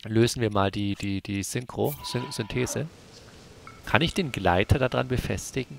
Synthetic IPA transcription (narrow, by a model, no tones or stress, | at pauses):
løːzn̩viːɐmaːldiːd̥iːd̥iːz̥ʏŋkʁ̥oz̥ʏntʰeːzə | kʰanɪçd̥eːnɡla̰ɪtʰɐdaːdʁa̰nbəfɛ̰stɪɡŋ̩